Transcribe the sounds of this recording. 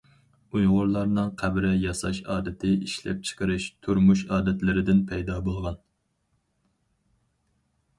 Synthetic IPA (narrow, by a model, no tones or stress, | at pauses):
ujʁʊɾlˠɑɾnɨŋqʰæbɾɪjɑsɑ̰ʃɑːd̪ɪt̪ʰɪiʃlɛ̰p̚t͡ʃʰə̥qʰəɾɨʃt̪ʰuɾmuʃɑːd̪ɛt̪lɪɾɪd̪ɪnpʰɛjd̪ɑːbolˠʁɑn